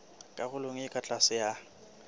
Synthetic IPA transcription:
kʼaɣʊlʊŋ̩ɪkʼat͡ɬʼasɪja

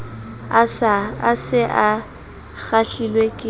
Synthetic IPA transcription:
asɪʔa | ɣaɬilwekʼɪ

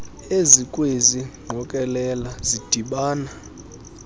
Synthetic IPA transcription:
ezikʼweziŋ͡ǃʱɔkʼɛlɛlazid̥ʱiɓaːna

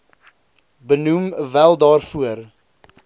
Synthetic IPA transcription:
bənumvælˠdɑːrfuər

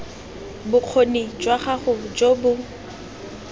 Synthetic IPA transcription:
bʊq͡χʰonid͡ʒwaχaχʊd͡ʒobʊ

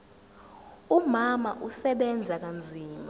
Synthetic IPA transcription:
umamaʔusɛɓɛnd͡zʱak̬and͡zʱiːma

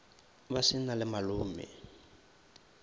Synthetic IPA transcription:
basɪnalɪmaluːmɪ̰

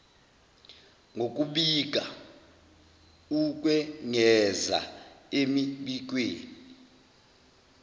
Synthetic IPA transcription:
ŋʱok̬ʼuɓik̬a | uk̬ʼwɛŋɛza̰emiɓik̬weːni

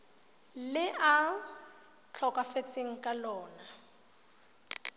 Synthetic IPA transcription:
lɪʔa | t͡ɬʰɔkafet͡sʼeŋ̩kʼalɔːna

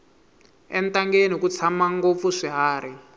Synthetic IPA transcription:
ɛntaŋɡenikut͡sʰamaŋɡop̪fuʂiɦaːɾi

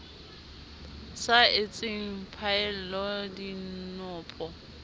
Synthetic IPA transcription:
saɪt͡sʼɪŋ̩pʰaɪl̩lɔdinʊːpʼɔ

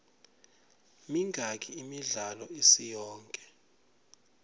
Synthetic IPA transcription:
miŋʱak̬ʰʼiimiɮalɔisijɔːŋkʼɛ̥

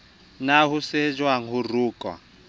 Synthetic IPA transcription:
naɦused͡ʒwaŋ̩ɦuruːkʼɔ̰

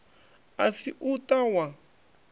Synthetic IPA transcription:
asiʔut̪awã

